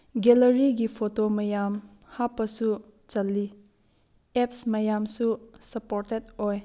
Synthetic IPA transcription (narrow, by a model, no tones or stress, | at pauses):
ɡeləɾiɡipʰotomɐjam | hapːɐsut͡ʃɐlːi | ep̚smɐjamsusɐpoɾtet̚oj